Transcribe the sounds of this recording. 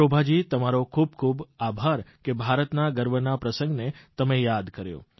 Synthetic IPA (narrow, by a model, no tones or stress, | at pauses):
obʱad͡ʒit̪əmaɾokʰub̚kʰubabʱaɾkebʱaɾət̪naɡəɾʋənapɾəsə̃ŋɡnet̪əmejad̪kəɾjo̰